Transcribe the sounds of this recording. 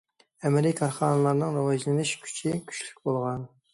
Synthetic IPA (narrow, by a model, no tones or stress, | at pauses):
ɛmɪɾɪkʰɑɾχɑːnɨlˠɑɾnɨŋɾɑwɑʒlˠɪnɪʃkʲʰy̥t͡ʃʰikʲʰy̥ʃly̥k̚ʲbolˠʁɑn